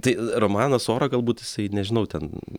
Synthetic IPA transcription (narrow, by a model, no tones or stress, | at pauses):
t̪ɐɪɾoːmɑːnɐsoːɾɐɡɐlˠbuːt̪jɪsɐɪnʲɛʒʲɪnɐʊt̪ʲɛn